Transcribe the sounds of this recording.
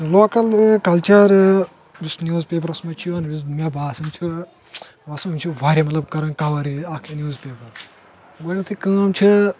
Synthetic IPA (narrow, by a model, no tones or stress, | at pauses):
loːkɐlkɐlt͡ʃɐɾ | bisnʲjuːzpeːp̬ɐɾɐsmɐt͡ʃʰijuɐnbismʲabaːsɐmt͡ʃʰi | ʋɐsuɐmʲt͡ʃʰuʋaːɾʲɐmɐt̪lɐbkɐɾɐnkaʋaɾiaːkʰenjuːzpeːpɐɾ | ɡonɐt̪ʰikɨ̃ɐmt͡ʃʰi